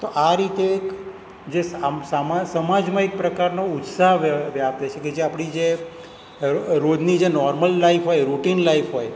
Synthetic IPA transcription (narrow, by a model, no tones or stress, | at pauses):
t̪oʔaɾit̪ek | d͡ʒessamasəmad͡ʒmaek̚pɾəkaɾnout̪saɦʋjapt̪ət͡ʃʰeked͡ʒeapɽ̃id͡ʒe | ɾod̪nid͡ʒenɔɾməllaifʰɦojɾuʈinlaifɦoj